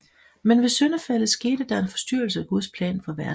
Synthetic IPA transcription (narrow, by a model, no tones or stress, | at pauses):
menʋe̝sønɐfæləðˠsɡ̥e̝̰ːd̥əd̥ɑ̈ɐe̝nfɒ̥̽sd̥yɐ̰l̩səæɡ̥uðˠspʰlɛ̰ːnfɒ̽ʋæɐ